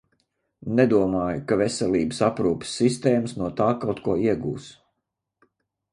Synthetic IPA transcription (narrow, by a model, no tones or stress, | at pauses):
nɛd̪uɔmaːjukavɛsɛlʲˠiːbəsapɾuːpi̥sːist̪eːməsnuɔt̪aːkawt̪kuɔiɛɡṵːs